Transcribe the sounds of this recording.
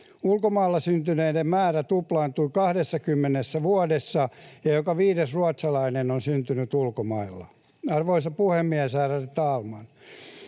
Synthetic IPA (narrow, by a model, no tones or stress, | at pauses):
ulkomɑilːɑsynt̪yneidemmæːræt̪uplɑint̪ulkɑhdesːɑkymːenesːæʋuɑdesːɑjɑjokɑʋiːdesruɑt̪sɑlɑinenonsynt̪ynyt̪ulkomɑilːɑ̰ | ɑrʋoisɑpuhemːiæsæːrærit̪ɑːlmɑn